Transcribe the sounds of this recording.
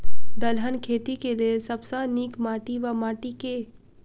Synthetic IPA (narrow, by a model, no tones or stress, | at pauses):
d̪əlɦənkʰeːt̪ikeliesɐbsaniːkmaːʈiʋamaːʈike